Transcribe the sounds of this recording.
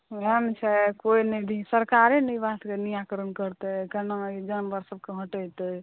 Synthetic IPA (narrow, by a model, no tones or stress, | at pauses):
ɾɛmt͡ʃʰɛkoinəd̪ʱisəɾkaɾenəjbat̪kenijakɾənkəɾt̪ɛkənad͡ʒənbəɾsəb̚keɦə̃ʈət̪ə